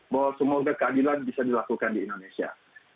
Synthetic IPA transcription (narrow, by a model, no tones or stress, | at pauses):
bawasəmoɡakadilabisadilakukandiːndonesia̰